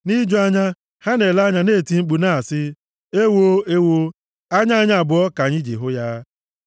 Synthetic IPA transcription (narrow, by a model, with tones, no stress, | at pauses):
ni˦d͡ʒo˦a˦ɲa˦ | ha˦ne˨la˦ɲa˦ne˦˨ti˨ŋ͡m̩˦k͡pu˨na˦˨sɪ˦ | e˦wo˦e˦wo˦ | a˦ɲa˦ɲa˦a˨bʊ˨ɔ˦ka˨ɲɪ˦d͡ʒḭ˨ɦʊ˦ja˦